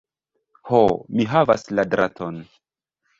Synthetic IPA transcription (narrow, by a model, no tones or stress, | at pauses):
homiɦavasladɾatʰo̞n